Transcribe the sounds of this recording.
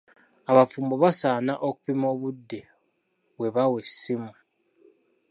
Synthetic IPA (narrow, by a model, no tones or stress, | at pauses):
aβafuːmbo̞βasaːnaʔoku̥pimo̞ːβudːe̞ | βwe̞βawe̞sːimu